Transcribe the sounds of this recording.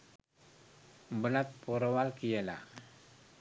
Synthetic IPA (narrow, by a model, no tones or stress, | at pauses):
mbəlat̪̚puɾawalkijela̰